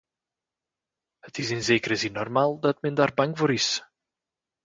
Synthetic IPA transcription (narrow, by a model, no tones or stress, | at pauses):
hətɪsɪnzeːkəɾəzɪnːɔrmaːlˠdɑtmɛndaːrbɑŋvoːɾɪs